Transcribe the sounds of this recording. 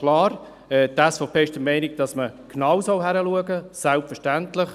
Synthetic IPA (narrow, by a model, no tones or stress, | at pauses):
laːɾ | ɛːtɛsfɔpʰeːɪʃd̥əmɛɪnɪɡd̥ɑsməknɑwsɔlɦæɾəluəɡəsælpfəʃtæntlɪχ